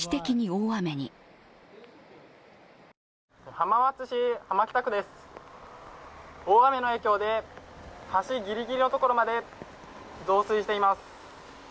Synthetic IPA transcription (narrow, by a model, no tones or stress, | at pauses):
i̥t̪e̞kʲiɲ̟ioːame̞ɲ̟ḭ | hamaβat͡sɨɕihamakʲt̪akɯ̟d̪e̞sɨ̥ | oːame̞no̞e̞ːkʲo̞ːd̪e̞ | haɕiɡʲiɾʲiɡʲiɾʲino̞t̪o̞koɾo̞mad̪e̞ | zo̞ːsɨiɕi̥t̪eimasɨ̥